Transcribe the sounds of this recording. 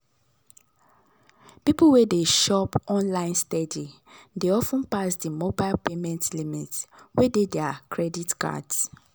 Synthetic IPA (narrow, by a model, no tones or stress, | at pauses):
pipuwedeʃɔpɔ̃nlãɪ̃nstɛdi | deɔfũnpasdimobaɪlpemɛ̃ntlimitwededɛakʰɹɛditka̰ds